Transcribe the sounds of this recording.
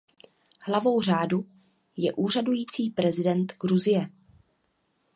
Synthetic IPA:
hlavo̞wr̝aːdu | jɛʔuːr̝adujiːt͡siːpɾɛzɪdɛnt̪ɡɾuzɪjɛ

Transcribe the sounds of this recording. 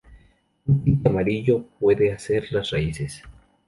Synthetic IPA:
uunt̪amaɾiʝop̚weðeaseɾlasraises

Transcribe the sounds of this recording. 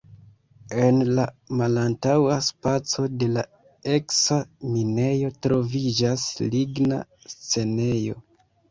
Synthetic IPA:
e̞nlamalantawaspat͡so̞de̞la | e̞ksamine̞jo̞tɾo̞vid͡ʒasliɡna̰ | st͡se̞ne̞jo̞

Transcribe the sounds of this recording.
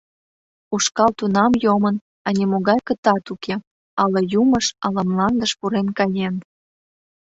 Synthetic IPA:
uʃkɑlt̪unɑmjomən | ɑnʲimoɣɑjkət̪ɑt̪ukʰe | ɑləjuməʃɑlə̆mlɑnd̪əʃpuɾenkɑjen

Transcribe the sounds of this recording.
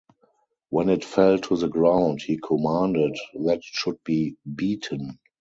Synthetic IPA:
wɛ̃nɪtfɛltʰuðəɡɹãʊ̃nthiːkʰɔmãndɪdðætʃʊd̚biːbiːtʰə̃n

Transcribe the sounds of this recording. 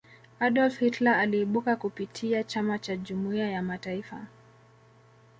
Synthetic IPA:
aɗɔlfhitlaːliːɓukakupitʰiat͡ʃamat͡ʃaʄumuiajamataifa̰

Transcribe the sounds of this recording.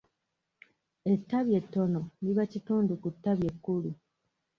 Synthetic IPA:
e̞tːaβje̞tːo̞no̞niβacituːndukutːaβje̞kːulu

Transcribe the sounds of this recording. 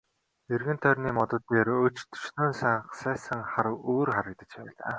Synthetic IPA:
erɣɘ̆nt̪ʰœrʲniːmɔt̪ɞ̆t̪ːeːrɵt͡ɕt̪ʰɵ̥ʃnoːnsaɴχsæːsə̆ŋχaɾwoːrχaɾə̆kt̪ə̆t͡ɕpæːɮa̰ː

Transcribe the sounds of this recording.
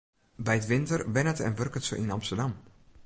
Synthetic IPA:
bɛjətʋɪntərʋɛnətɛ̰nʋørkətsəʔinɑmstərdam

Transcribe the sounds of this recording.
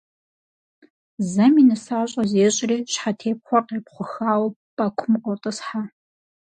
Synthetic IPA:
zɐminɨsaːɕʼɐzeːɕʼɪriːɕħatʰeːp̚χʷɔrqeːpχʷʊxaːwɐpʼakʷʰʊmqʼɔrtʼɐsħa

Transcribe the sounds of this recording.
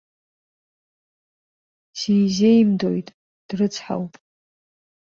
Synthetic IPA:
sijzeimdo̞̰jtʼ | d̥rɨt͡sʰħa̰wpʼ

